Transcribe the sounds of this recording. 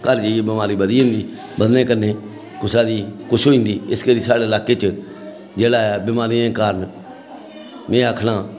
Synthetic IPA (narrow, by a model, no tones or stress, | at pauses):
kəɾd͡ʒeieːbɪmaːɾiːbəd̪iːɦõːnd̪iː | bəd̪nẽːkəɾneː | kʊt͡ʃaːd̪iːkʊt͡ʃʰɦoːĩːnd̪iːɪskəɾiːsaːɽeːəlaːkeːt͡ʃ | d͡ʒeːɽaːɛːbɪmaːɾiːẽːkaːɾən | mẽːaːkʰɽaː